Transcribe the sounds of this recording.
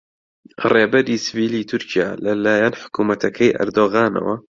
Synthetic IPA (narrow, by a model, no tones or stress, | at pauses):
reːbɐɾiːsɨviːliːt̪ʰʊɾcʰijaːlɐlaːjɐnħʊ̥kuːmɐt̪ʰɐkʰɐjʔɐ̰ɾd̪oːɣaːnɐ̰wɐ